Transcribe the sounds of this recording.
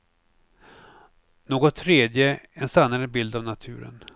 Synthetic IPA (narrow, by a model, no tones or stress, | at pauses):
noːɡɔt̪ʰːɾeːd̪jəɛnsanːaɾəbɪld̪avnat̪ʰʉ̟̰ːɾə̰n